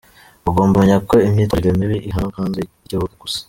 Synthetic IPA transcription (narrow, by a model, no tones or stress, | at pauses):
uɡoːmbamaɲako̞imɲiːtaɾɡemiβiʔiɦanokaːnze | ɟoβokoɡusḁ